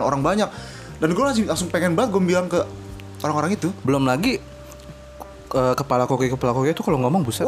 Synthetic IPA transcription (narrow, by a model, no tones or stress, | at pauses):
no̰ɾaŋbaɲak̚ | danɡuamas̬ilaŋsʊŋpeŋɛnbaət̪̚ɡuambilaŋkə | oɾaŋoɾaŋit̪ubəlʊmlaɡi | əːkəpalakokɛkəpalakokeit̪ukaloŋɔmɔŋbusa